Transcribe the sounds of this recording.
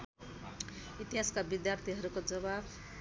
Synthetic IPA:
it̪iɦaskabid̪jart̪ʰiɦʌɾukod͡zʌbab

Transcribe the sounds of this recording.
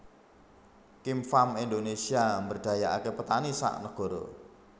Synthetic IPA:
kimfamind̪onesiambərd̪̥a̤jaʔakepət̪anisa̰ʔnəɡ̥ɔ̤ɾo̰

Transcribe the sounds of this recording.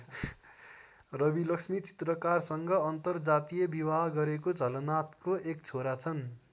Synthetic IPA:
rʌbilʌksmit͡si̥t̪rʌkarsʌŋɡʌːnt̪ʌrd͡zat̪ijʌbibaɦɡʌɾekod͡zʌlʌnat̪koek̚t͡sʰoɾat͡sʰʌn

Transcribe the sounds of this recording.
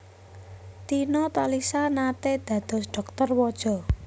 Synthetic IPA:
t̪inɔt̪alisanat̪ed̪̥ä̤d̪̥ɔ̤sdɖ̥ɔ̤k̚t̪ɔrwɔd̥ʒ̥ɔ̤

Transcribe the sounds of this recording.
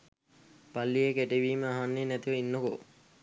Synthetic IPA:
palːijekeʈeʋiːməaɦanːeːnæt̪iʋəinːoko̰

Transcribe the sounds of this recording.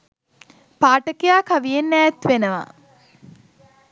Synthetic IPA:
paːʈəkejaːkaʋijenːæːt̪ʋenəʋa̰

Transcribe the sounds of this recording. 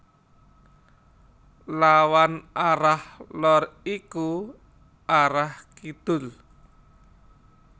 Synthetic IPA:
lawanaɾahlɔriku | ʔaɾahkid̪̥ʊ̤l

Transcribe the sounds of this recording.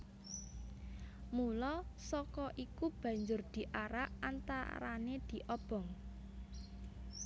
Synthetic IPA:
mulɔsɔkɔʔikub̥ä̤ɲd͡ʒʊrd̪̥i̤ʔaɾaʔant̪a̰ɾa̰ned̪̥i̤ʔɔb̥ɔ̤ŋ

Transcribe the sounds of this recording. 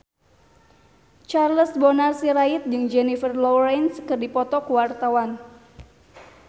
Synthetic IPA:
t͡ʃarləsbɔnarsiɾait̪̚d͡ʒɨŋd͡ʒɛnifərlɔɾɛnskɨrdipɔt̪ɔkuwart̪awan

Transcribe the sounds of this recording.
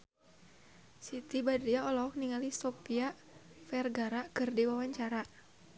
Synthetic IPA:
sit̪ibadɾiaɔlɔk̚niŋalist̪ɔpia | fɛrɡaɾakɨrdiwawaɲt͡ʃaɾa

